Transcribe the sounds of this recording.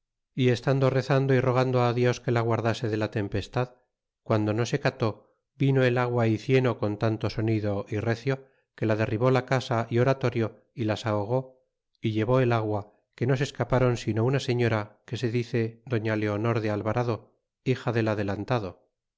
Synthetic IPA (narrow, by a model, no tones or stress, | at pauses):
ie̞st̪and̪o̞re̞θand̪o̞iro̞ɣ̞and̪oaðjo̞ske̞laɣwaɾðase̞ðe̞lat̪e̞mpe̞st̪að | kwand̪o̞no̞se̞kat̪o̞ | bino̞e̞laɣwaiθje̞no̞ko̞nt̪ant̪o̞so̞niðo̞ʔire̞θjo̞ | ke̞lað̞e̞riβo̞lakasaʔio̞ɾat̪o̞ɾjo̞ | ilasaoɣ̞o̞ | iʎe̞βo̞e̞laɣwa | ke̞no̞se̞skapaɾo̞nsino̞unase̞ɲo̞ɾake̞se̞ðiθe̞ðo̞ɲale̞ono̞ɾðealβaɾaðo̞ | ixaðe̞laðe̞lant̪aðo̞